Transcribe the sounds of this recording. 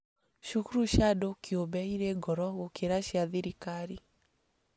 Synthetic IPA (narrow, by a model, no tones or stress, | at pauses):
ʃukuɾuʃadokiobɛiɾeɡɔɾɔɣokeɾaʃiaðiɾikaɾi